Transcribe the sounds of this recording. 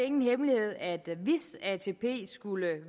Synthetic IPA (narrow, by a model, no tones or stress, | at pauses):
e̝ŋn̩ɦemlihe̝ð̰ˠæd̥ʋisæt͡sʰe̝pʰe̝̰ːsɡ̥ulə